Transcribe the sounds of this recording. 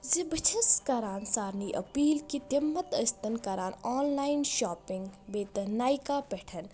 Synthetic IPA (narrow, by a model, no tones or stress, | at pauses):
zibʱɐt͡ʃʰɐskɐɾaːnsaːɾniːʔɐ̰piːlkit̪imːɐt̪ɐst̪ɐnkɐɾaːnaːnlaːinʃaːpɪ̃ŋɡbeːt̪ɐnaːjkaːpɛʈʰɐn